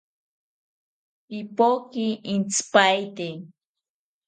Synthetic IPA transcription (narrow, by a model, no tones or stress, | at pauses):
ipokiint͡spajt̪e